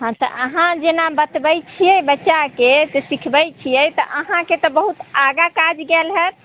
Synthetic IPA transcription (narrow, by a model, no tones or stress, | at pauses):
ɦãt̪ɔ̰ʔəɦãd͡ʒenabət̪bəjt͡ʃʰijɛbətːʃaketesikʰbɛjt͡ʃʰijɛjt̪ɔ̰ʔəɦãket̪ɔbəɦut̪aɡakad͡ʒɡelɦɛt̪